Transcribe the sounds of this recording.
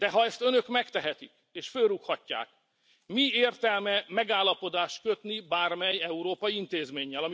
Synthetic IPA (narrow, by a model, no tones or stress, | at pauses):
d̪̥ɛɦɒɛst̪ønø̞kmɛkt̪ɛɦɛt̪ḭk | eːʃfølrukhɒcːa̰ːk | mieːrt̪ɛlmɛmɛɡaːlːɒpo̞d̪aːʃt̪̚kø̞t̪nibaːrmɛjɛuɾoːpɒjiint̪eːzmeːɲːɛlɒm